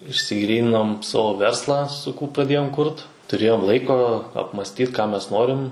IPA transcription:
ɪʃʲsʲɪˈɡrʲiːnʲɪnoːm ˈsɑːʋoː ˈʋʲɛrslˠɑː sʊˈkuː prɐdʲˈeːjoːm ˈkʊrt tʊˈrʲeːjoːm ˈlˠɐɪkoː ɐpmɐsʲˈtʲiːt kɑː ˈmʲɛs ˈnoːrʲɪm

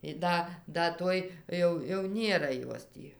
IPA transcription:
ɪ ˈdɐ ˈdɐ ˈtoːj ˈjɛʊ jɛʊ ˈnʲeːrɐ ˈjoːs tʲiː

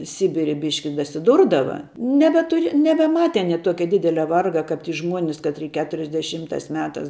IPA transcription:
ˈsʲɪbʲɪrʲɪ ˈbʲɪʃʲkʲɪ dɐsʲɪˈdʊrdɐʋɐ nʲɛbʲɛˈtʊr nʲɛbʲɛˈmɑːtʲɛ ɐˈnʲiɛ ˈtuɔkʲɛ ˈdʲɪdʲɛlʲɛ ˈʋɐrɡɐ kɐp ˈʒmuɔnʲɪs kɐtʲˈrʲiː ˈkʲæːtʊrʲɛzʲdʲɛˈʃʲiːmtɑːs ˈmʲæːtɑːs

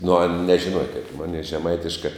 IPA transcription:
nʊ ɐn nʲɛʒʲɪˈnuɔjɛ kɐɪp ˈmoːnʲɛɪ ʒʲɛˈmɐɪtʲɪʃkɐɪ

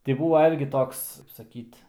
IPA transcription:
tʲɪ ˈbuːʋɐ ˈɪrʲɡʲɪ ˈtoːks kɐɪp sɐˈkʲiːt

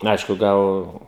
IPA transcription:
ˈɐɪʃkʊ ˈɡɐlˠ

